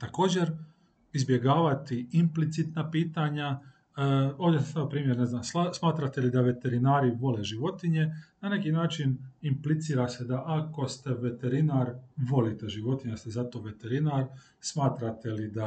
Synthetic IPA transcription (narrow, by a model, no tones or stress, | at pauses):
t̪ako̞ːd͡ʑeɾ | izbje̞ɡaːʋat̪iimplit̪sit̪napiːt̪aɲa | oːʋd̪jesesaopɾiːmjeɾneznaːmsasmaːt̪ɾat̪elid̪aʋe̞t̪e̞ɾinaːɾiʋo̞leʒiʋo̞t̪iɲe̞nane̞kinaːt͡ʃinimplit̪siːɾase̞d̪aʔako̞st̪e̞ʋe̞t̪e̞ɾinaɾʋo̞lit̪eʒiʋo̞t̪iɲast̪ezat̪o̞ʋe̞t̪e̞ɾinaɾ | smaːt̪ɾat̪elid̪a